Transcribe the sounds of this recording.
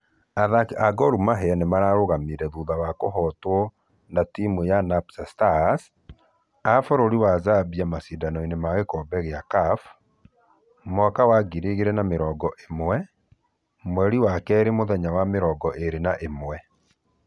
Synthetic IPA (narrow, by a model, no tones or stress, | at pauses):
aðakaɡɔɾumaɦɛanemaɾaɾoɣamiɾɛðuðawakoɦɔtwɔ | natimujanapsastas | afoɾoɾiwazabiamasidanɔinemaɣekɔbɛɣeakaf | mwɔkawaɡiɾeɣeɾɛnameɾɔːɡɔʔemwɛ | mwɛɾiwakɛɾemoðɛɲawameɾɔːɡɔʔeɾenaʔemwɛ